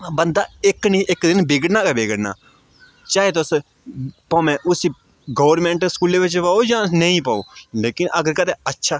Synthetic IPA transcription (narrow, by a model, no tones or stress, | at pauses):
bənd̪aːɪknĩʔɪkd̪ɪnbeːɡəɽnaːkabeːɡəɽna̰ː | t͡ʃaːɦet̪os | põːmɛ̃ːʔʊsiː | ɡoːʋəɾmẽːɳʈskuːleːʋɪt͡ʃpaoːjãːnəĩːpəo̰ːleːkɪnʔəɡəɾkət̪ʰeətːʃʰaː